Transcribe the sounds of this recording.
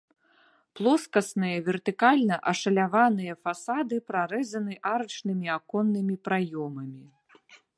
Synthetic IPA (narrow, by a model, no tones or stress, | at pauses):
plˠɔskɐsnɨjɐvʲɛrt̪ɨkalʲnɐʔɐʂɐlʲavanɨjɐfasad̪ɨpɾaɾɛzɐnɨʔaɾɨt͡ʂnɨmʲiakɔnːɨmʲipɾajɔmɐmʲi